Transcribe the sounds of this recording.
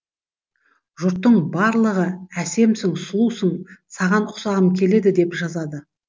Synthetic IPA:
ʒʊɾt̪ːəɴbɑɾlˠəʁəæse̞msɪŋslˠusəɴsɑʁɑnʊsɑʁəmkʲʰe̞le̞d̪ɪd̪e̞pʒɑzɑd̪ə

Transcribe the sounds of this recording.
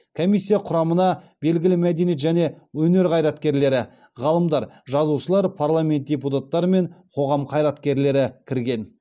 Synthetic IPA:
kʰo̞mijsʲːijɑqʰʊɾɑmənɑbe̞lɡʲɪlɪmæd̪e̞nijet̪ʒæne̞ | wɵne̞ɾqʰɑjɾɑt̪kʲe̞ɾle̞ɾɪ | ʁɑlˠəmd̪ɑɾʒɑzuʃəlˠɑɾpʰarlˠamʲe̞nt̪̚dʲep̬ut̪at̪ːɑɾəme̞ɴqʰo̞ʁɑmqʰɑjɾɑt̪kʲe̞ɾle̞ɾɪkʲʰɪɾɡʲe̞n

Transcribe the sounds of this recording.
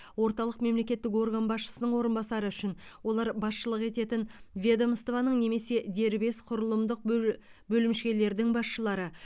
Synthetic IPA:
wo̞ɾt̪ɑlˠəqme̞mle̞kʲe̞t̪ːɪkwo̞rɡanbɑsʃə̥sənəɴwo̞ɾənbɑsɑɾəʏʃɪnwo̞lˠɑɾbɑsʃəlˠəqe̞t̪e̞t̪ɪnvʲed̪aməst̪ovɑnəɴne̞me̞se̞d̪e̞ɾbe̞sqʰʊɾəlˠəmd̪əq̚ | bɵlɪmʃkʲe̞le̞ɾd̪ɪŋbɑsʃəlˠɑɾə

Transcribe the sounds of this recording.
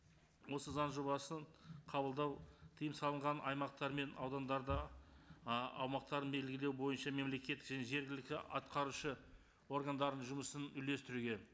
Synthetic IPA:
wo̞səzɑnʒo̞bɑsəɴqʰɑbəlˠd̪ɑwt̪ʰəjəmsɑlˠəɴʁɑnʔɑjmɑqt̪ɑɾme̞nɑwd̪ɑnd̪ɑɾd̪ə | ɑ̰wmɑq̚t̪ɑɾənbe̞lɡʲɪle̞wbo̞jənʃɑme̞mle̞kʲe̞t̪ːɪ̥kʒæne̞ʒe̞ɾɡʲɪlɪkʲt̪ɪɑt̪qɑɾuʃə | o̞rɡand̪ɑɾd̪ənʒʊməsənʏjle̞st̪ɪɾuɡʲe̞

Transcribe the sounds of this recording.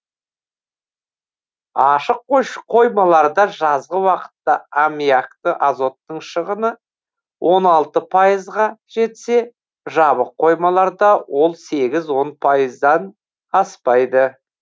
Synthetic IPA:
ɑʃəqːoʃqʰo̞jmɑlˠɑɾd̪ɑʒɑzʁəwɑqə̥t̪ːɑamijakt̪əʔazo̞t̪ːəɴʃəʁənə | wʔo̞nɑlˠt̪əpʰɑjəzʁɑʒ̥e̞t̪se̞ | ʒɑβəqʰːo̞jmɑlˠɑɾd̪ɑwo̞lˠse̞ɡʲɪzwo̞npʰɑjəzd̪ɑn | ɑspɑjd̪ə

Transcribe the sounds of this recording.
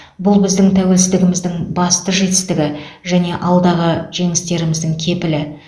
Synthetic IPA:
bʊlˠbɪzd̪ɪŋt̪ʰæwe̞lsɪzd̪ɪɡʲɪmɪzd̪ɪŋbɑst̪əʒe̞t̪ɪ̥st̪ɪɡʲɪʒæne̞ʔɑlˠd̪ɑʁəʒ̥e̞ŋɪst̪e̞ɾɪmɪzd̪ɪŋkʲʰe̞pɪlɪ

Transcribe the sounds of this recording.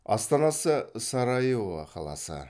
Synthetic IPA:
ɑst̪ɑnɑsəsɑɾɑjevɑ̰qʰɑlˠɑ̰sə̰

